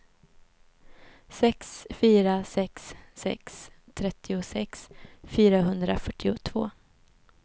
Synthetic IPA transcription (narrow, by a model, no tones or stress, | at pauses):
sɛksfyːɾasɛksːɛ̰ks | t̪ʰɾɛt̪ʰːɪʊsɛksfyːɾaɦɵnd̪ɾafœʈːɪʊt̪ʰv̥o̰ː